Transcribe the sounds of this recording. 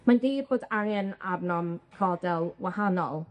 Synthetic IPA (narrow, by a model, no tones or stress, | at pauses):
mandiːboːdaɾɛna̰bnɔmrʰɔdɛlˠwahanɔlˠ